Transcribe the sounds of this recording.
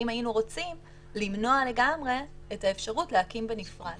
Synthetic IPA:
imainuʁo̞t͡sim | limno̞ale̞ɡamʁe̞ | etae̞fʃaʁutlehakimbenifʁad

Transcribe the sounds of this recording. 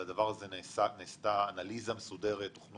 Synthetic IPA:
ad̪avaʁazensaneːst̪aːnalizamesud̪e̞ʁet̪ːoχn

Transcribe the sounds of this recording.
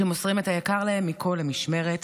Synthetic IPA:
emosʁimethajakaʁlahe̞mːikʰo̞lamiʃme̞ʁet̪

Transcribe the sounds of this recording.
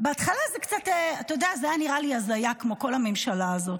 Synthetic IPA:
beatχalazekt͡sateatajodeazajaniʁaliazajakmo̞ko̞lhame̞mʃalaːzo̞t

